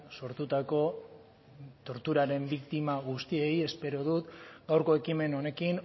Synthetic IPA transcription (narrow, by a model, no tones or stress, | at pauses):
so̞ɾt̪ut̪ako̞ | t̪o̞ɾt̪uɾaɾe̞mbikt̪imaɣust̪ie̞je̞spe̞ɾo̞ð̞ut̪ɡawɾko̞e̞kime̞no̞ne̞kiŋ